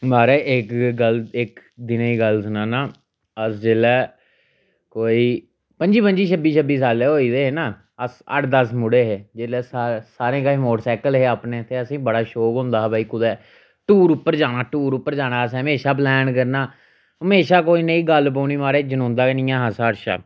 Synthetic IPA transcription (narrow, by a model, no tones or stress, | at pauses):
maːɾɛːʔɪkɡəlɪkd̪ɪnaːiːɡəlsənãːnaː | əsd͡ʒeːlɛː | koːiː | pəɲd͡ʒiːpəɲd͡ʒiːt͡ʃʰəbiːt͡ʃʰəbiːs̬aːleːɦoːiːd̪eːɦeːnãː | əsə̰ʈʰd̪əsmʊɽeːɦeːd͡ʒeːlɛːsasaːɾẽːkaːmoːʈsɛːkəlɦeːaːpneːt̪eːəsĩːbəɽaːʃoːkɦõːnd̪aːɦbaːiːkʊd̪ɛː | ʈuːɾʊpːəɾd͡ʒaːnaːʈuːɾʊpːəɾd͡ʒaːnaːəsəmeːʃaːp̬lɛːnkəɾnaː | ɦəmeːʃaːkoːiːneiːɡəlp̬oːniːmaːɾeːd͡ʒənõːnd̪aːenĩːãːɦəsaːəɾʃa̰ː